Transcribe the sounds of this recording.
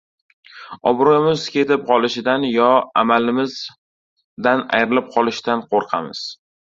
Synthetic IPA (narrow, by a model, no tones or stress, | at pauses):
ɒbɾojɪmɪz̥kʲʰe̞t̪ɪp̚qʰɒlˠɪʃɪd̪anjɒa̰malɪmɪz | d̪ana̰jɾɪlɪp̚qʰɒlˠɪʃɪd̪anqʰoɾqʰɑ̰mɪz̥